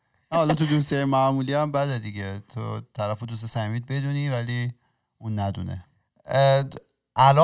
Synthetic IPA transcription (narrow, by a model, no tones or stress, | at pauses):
næhɒlɒt̪ʰud̪usejmæʔmuːliæmbæd̪ed̪iɟet̪ʰo̰t̪ʰæɾæfod̪us̬esæmiːd̪̚be̞d̪univæli | uːnːæd̪ṵːnḛ | ʔælɒ